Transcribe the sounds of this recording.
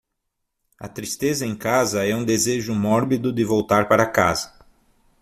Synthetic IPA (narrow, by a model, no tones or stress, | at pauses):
ɐ̰t̪ɾist̪ezɐẽj̃kazɐɛũd̪ezeʒʊmɔɾbid̪ʊd̪ɪvowt̪aɾpaɾɐka̰zɐ̥